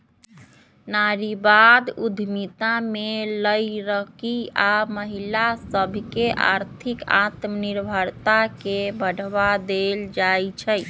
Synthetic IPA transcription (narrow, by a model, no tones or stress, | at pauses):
naɾibad̪ud̪ʱmit̪ameləjɾəkiaməɦilasəbʱkeʔa̰ɾt̪ʰika̰t̪məniɾbʱəɾt̪akebəɽ̤bad̪eld͡ʒajt͡ʃʰəj